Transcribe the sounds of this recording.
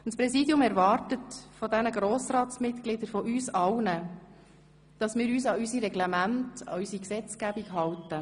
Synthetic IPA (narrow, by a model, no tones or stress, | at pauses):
ntspɾɛsidjʊmɛɾʋɑːrtətfɔdɛnəɡɾoːsɾɑːtsmɪtklɪd̥əɾfɔʔyːsɑwnə | d̥ɑsmɪːɾyːsɑysiɾɛɡlɛmæntɑ̰ysiksɛt͡skæbikɦɑwtə